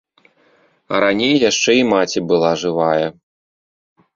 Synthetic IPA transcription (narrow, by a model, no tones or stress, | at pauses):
ɐɾanʲejːaʂt͡ʂɛimat͡sʲibɨlˠaʐɨvajɛ